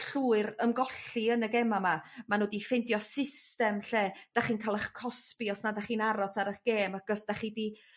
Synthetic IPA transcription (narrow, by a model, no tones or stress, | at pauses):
ɬuːɨɾəmɡɔɬiənəɡɛmamamanoːdifɪndjɔsɪstɛmɬeːd̥aχiːnkʰalˠaχkʰɔspiɔsnadaχiːnaɾɔsaɾəχɡ̥eːmaɡ̥ɔsd̥aχidi